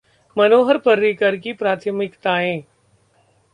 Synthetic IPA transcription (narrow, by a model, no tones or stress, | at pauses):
mənoːɦəɾpəɾːiːkəɾkipɾaːt̪ʰəmɪkt̪aːɦẽː